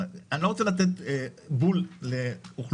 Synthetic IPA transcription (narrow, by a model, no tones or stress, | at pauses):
anoʁot͡selat̪̬et̪bulleuχl